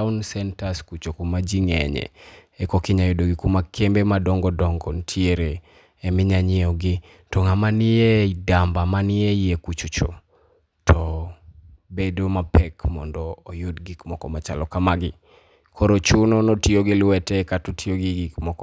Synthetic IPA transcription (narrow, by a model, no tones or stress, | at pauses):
ʊnsɛntaskut͡ʃokumad͡ʒiŋɛɲɛ̰ɛkɔkɪɲajʊdoɡɪkumakʰembemadɔŋɡɔdɔŋɡɔntʰieɾeː | mɪɲaɲɪɔɡɪ | tɔŋamanɪjeidambamanɪeiekut͡ʃut͡ʃo̰ | tʰɔ | bedomapɛkmɔ̰ndɔːjʊdɡikmɔkɔmat͡ʃa̰lɔkamaɡɪ | kʰɔɾot͡ʃʊnɔnɔtioɡɪlwɛtɛkatotʰioɡiɡikmɔkɔ